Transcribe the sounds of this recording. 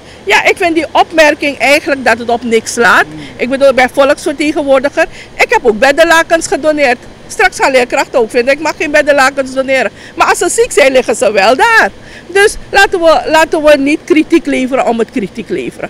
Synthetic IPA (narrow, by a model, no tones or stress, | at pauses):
jaʔɪkfɪntdiʔɔpmɛrkɪŋɛjχənlək̚dɑtətɔpnɪkslaːtʔɪk̚bədulˠbɛjfɔləksfərteːχənʋoːrdəxər | ɪkɦɛpoːk̚bɛdəlaːkənsχədoneːrt | strɑksχalɪːrkrɑxtəoːkfɪndənɪkmɑχeːnbɛdəlaːkənsdoneːɾə | maːɑlˠsəsiksɛjlɪχəsəʋɛlˠdaːr | dɵslaːtənʋəlaːtənʋənitkritikleːfəɾəɔmətkritiklḛːvəɾə̰